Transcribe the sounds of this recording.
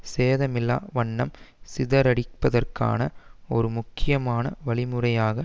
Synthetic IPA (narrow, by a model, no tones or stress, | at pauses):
seːðɐmɪlːa̰ːʋɐɳːɐmsɪðɐɾɐɽɪpːɐðɐrka̰ːnɐɔɾɯmʊkːɪjɐmaːnɐ̰ʋɐɭɪmɯrɐjaːɣɐ